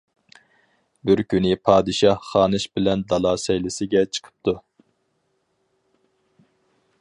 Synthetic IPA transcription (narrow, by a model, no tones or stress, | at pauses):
bɪɾkʲynɪpʰɑːd̪ɨʃɑhχɑːnɨʃbɪlɛnd̪ɑlˠɑːsɛjlɪsɪɡʲɛt͡ʃʰə̥qʰə̥p̚t̪ʰu